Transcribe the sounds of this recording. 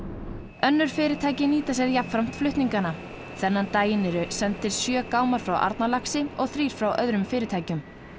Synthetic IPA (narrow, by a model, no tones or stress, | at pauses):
œnːʏɾ̥fɪːɾɪt̪ʰaːjcɪniːt̪asjɛðjap̪fɾam̥t̪flʏht̪niŋkana | θɛnːant̪aːjɪnɛɾʏsɛnt̪ɪɾ̥sjœːkaːwmaɾ̥fɾawʔa̰ɾt̪nalaksɪɔɣθɾiːɾ̥fɾawʔœðɾʏmfɪːɾɪt̪ʰaːjcʏm